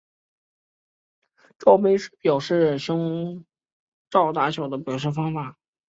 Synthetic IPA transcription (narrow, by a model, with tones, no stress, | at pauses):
ʈ͡ʂɑ˥˩ʊpe˥ɪʂɻ̩˥˩pjɑ˨˩ʊʂɻ̩˥˩ɕʊ˥ŋ | ʈ͡ʂɑ˥˧ʊt̪a˧˥t͡ɕʰjo˨˩ʊd̪ə˦pjɑ˨˩ʊʂ̬ɻ̩˥˩fɑ˥ŋfa˨˩˦